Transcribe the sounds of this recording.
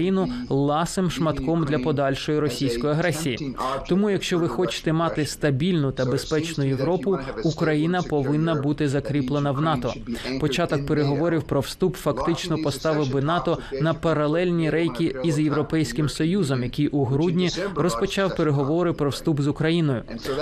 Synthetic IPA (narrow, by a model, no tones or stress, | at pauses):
jinʊlˠɑsɪmʃmɐt̪kɔmd̪lʲɐpɔd̪ɑlʲʃɔjiɾɔsʲijsʲkɔjiɐɦɾɛsʲijḭt̪ɔmujɐkʃt͡ʃɔʋɪxɔt͡ʃɪ̥t̪ɛmɑt̪ɪst̪ɐbʲilʲnʊt̪ɐbespɛt͡ʃnʊjeʋɾɔpʊukɾɐjin̪ɐpɔʋɪnːɐbut̪ɪzɐkɾʲiplˠenɐwnɑt̪ɔ̰pɔt͡ʃɑt̪ɔk̚pe̞ɾeɦɔʋɔɾʲiwpɾɔwst̪upfɐkt̪ɪt͡ʃnɔpɔst̪ɑʋɪbɪnɑt̪ɔnɐpɐɾɐlˠɛlʲnʲiɾɛjkʲiizjewɾɔpɛjsʲkɪmsɔjuzɔmjɐkʲijʔuɦɾudʲnʲirɔspɔt͡ʃɑwpeɾeɦɔʋɔɾɪpɾɔwst̪upzʊkɾɐjin̪ɔjʊ̰